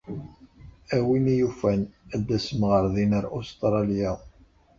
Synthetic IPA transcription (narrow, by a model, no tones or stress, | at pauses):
æwinijufænæd̪ːæsəmʁəɾðinəɾost̪ɾˤɑlja